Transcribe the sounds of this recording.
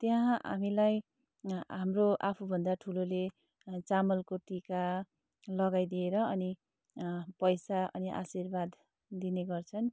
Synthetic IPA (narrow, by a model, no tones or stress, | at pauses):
t̪jaɦa̰milaj | ɦamroʔapʰubʱʌnd̪aʈʰulole | t͡samʌlkoʈika | lʌɡajd̪ieɾʌʌni | pʌjsaʔʌ̰niʔa̰sirbad̪ː | ineɡʌrt͡sʰʌn